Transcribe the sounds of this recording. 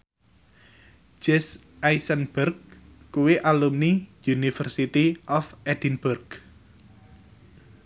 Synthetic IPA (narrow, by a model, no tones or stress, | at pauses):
d͡ʒɛs | ʔajsənbɛrɡkuwiʔalumnijunifərsit̪iʔɔfɛdinburɡ